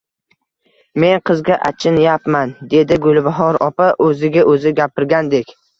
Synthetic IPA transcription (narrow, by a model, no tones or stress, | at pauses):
me̞nqʰɨzɡʲaʔa̰t͡ʃʰɪnjapmand̪e̞d̪ɪɡʊlˠbaɦɒɾɒpaʔɵzɪɡʲaʔɵzɪɡʲapɪɾɡʲand̪e̞kʲ